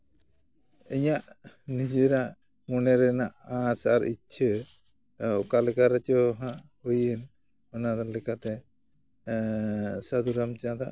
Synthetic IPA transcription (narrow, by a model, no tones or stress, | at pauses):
iɲaʔ | nid͡ʒeɾaʔ | munɛɾɛnaʔasaaɾḭt͡ʃʰə | ɔkalɛkaɾɛt͡ʃɔɦãʔhujɛn | ɔnad̪ɔlɛkat̪ɛ | sad̪uɾamt͡ʃãd̪a̰ʔ